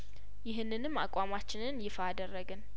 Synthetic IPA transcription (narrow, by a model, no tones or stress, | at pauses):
jɪɦɨnːɨnɨmːa̰kʼamat͡ʃːɪnɨnjɪfaːd̪ərːəɡɨn